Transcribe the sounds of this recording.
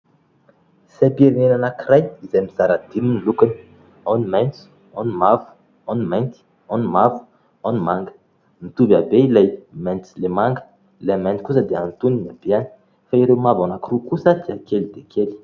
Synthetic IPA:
sapieɾinenanakirajizajmizaɾad̪iminilukani̥ | animajnt͡s | animavu̥ | animajnt̪i̥ | anmavu̥ | animaŋɡə̥ | nit̪ubabeilajmajnt͡silemaŋɡə̥ | lemajnt̪i̥kus̬əd̪eant̪uninabeani̥ | faiɾewmavanakirukusət̪iakelid̪ekʰeli̥

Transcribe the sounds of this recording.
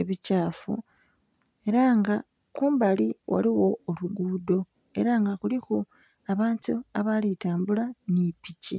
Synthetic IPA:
eβicaːfṵ | e̞ɾaŋɡa | kuːmbaliwʔa̰liwo̞ːluɡuːdo̞ | e̞̰ɾaŋɡakulixo | aβaːntuaβalitaːmbulanipicḭ

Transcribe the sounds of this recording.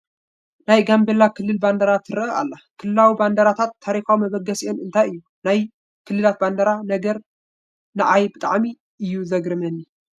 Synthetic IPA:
najɡambelakʰɨlːɨlband̪ɐɾat̪ʰɨɾɨɐʔa̰lːakʰɨlɨlawiband̪ɐɾat̪ʰat̪ʰːaɾixawmɐβɐɡːɐsiʔo̞nɨnt̪ʰajɨjːu | naj | kʰɨlːɨlat̪̚band̪ɐɾanɐɡɐɾ | nɐʕajbɨt̪ʼa̰ʕmi | ʔɨjːuzɐɡɾɨmɐnːi

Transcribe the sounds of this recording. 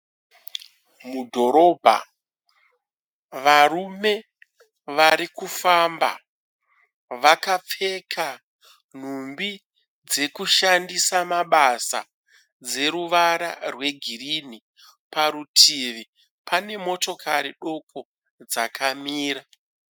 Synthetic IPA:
mudʱo̞ɾo̞bʱa̰ | ʋarume̞ | ʋaɾikufamba̰ | ʋakap͡fe̞kʰa | n̤umbi | d͡ze̞kuʃandisamaɓasa̰ | d͡ze̞ɾuʋaɾa̰rwe̞ɡʱirini | paɾutʰiʋi | pʰane̞mo̞to̞kʰaɾiɗo̞kʰo̞ | d͡zakʰamiːra

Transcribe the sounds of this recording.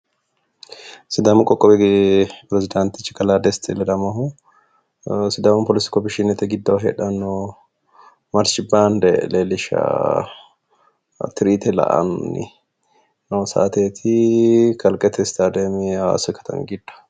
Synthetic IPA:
sɪd̪aːmʊkʼɔkʼːɔbɛpɾɛzɪd̪ant̪ɪt͡ʃːɪ̥kɐlaːd̪ɛst̪ʰɛlɛdɐmɐhu | sɪd̪amʊpɔlɪsɪ̥kɔbɪʃɪnɛt̪ɛɡɪd̪ːɐɦɛ̰ᶑɐnɔ | mɐɾt͡ʃɪbaːnd̪ɛleːlɪʃa̰ | t̪ɪɾiːt̪ɛlɐ̰ʔɐ̰nːɪ̰ | nɐsa̰ːt̪eːt̪ʰɪkɐlkʼɛt̪ʰɛst̪aːd̪emɪa̰sɔkɐ̥t̪ʰɐ̰ŋɡɪd̪ːɐ̥

